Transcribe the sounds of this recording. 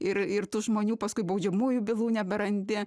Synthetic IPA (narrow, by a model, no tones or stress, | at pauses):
ɪrɪrt̪uːʒmoːnʲuːpɐskʊɪbɐʊd͡ʒʲɛmuːjubʲɪlˠuːnʲɛbʲɛɾɐnʲd̪ʲɪ